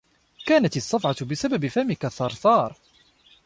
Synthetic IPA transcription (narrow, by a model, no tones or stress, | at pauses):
kaːnat̪ɪsˤːɑfʕɑt̪bɪsababɪfamɪkaθːɑɾˤθˤɑːɾˤ